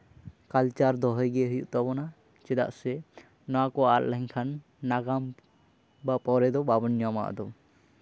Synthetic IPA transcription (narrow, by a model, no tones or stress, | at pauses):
kalt͡ʃaɾd̪ɔɦɔjɡeɦujuʔt̪abɔna | t͡ʃɛd̪a̰ʔsɛ | nɔakɔaa̰ɾlɛŋkʰanː | aɡam | bapɔɾɛd̪ɔbabɔnijama̰ʔd̪ɔ